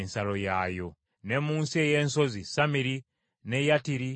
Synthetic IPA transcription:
nsalojajo | nemuːnsiejensozisamiɾi | nejatiɾi

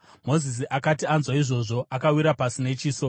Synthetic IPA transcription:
mo̞zis̬iʔakatianzwaiʐo̞ʐo̞ʔakawiɾapasine̞t͡ʃiːso̞

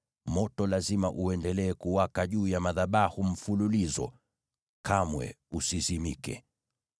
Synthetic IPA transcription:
mɔtɔlazimaʔuɛndɛlɛːkuwakaʄuːjamaðaɓahum̩fululizɔ̰ | kʰamwɛ̰ | usizimḭkɛ̰

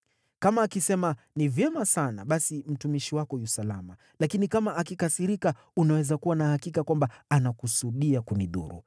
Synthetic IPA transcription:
kamaːkisɛma | nivjɛmasana̰ɓasim̩tumiʃiwakɔjusala̰ma | lakinikamaʔakikasiɾika | unawɛzakuwanahakikakwambaanakusuɗiakuniðṵɾṵ

